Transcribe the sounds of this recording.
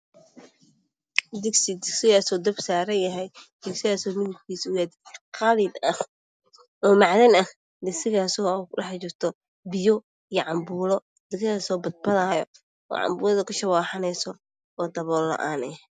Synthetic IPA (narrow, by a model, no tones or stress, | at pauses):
d̪ɪɡsɪd̪ɪɡsɪɣaːsɔːd̪ɐbsaːɾɐnjɐɦɛjd̪ɪɡsɪɣaːsɔːmɪðʊb̚kʰiːsʊɣaːd̪qɑliːd̪ɐh | ɔːmɑʕðɐnɐh | d̪ɪɡsɪɣaːsɔːkɗɐħt͡ʃɪrt̪ʰɔ | bɪjɔ | ijɐʕɑmbuːlɔ | d̪ɪɡsɪɣaːsɔːbɐd̪̚bɐðaːjɔ | ɔ̰ʕɑ̰mbuːlɐðɐkʰʊʃɐwaːħɑnɛjsɔ | ɔːd̪ɐβɔːlːɐ̰ʔaːnɛ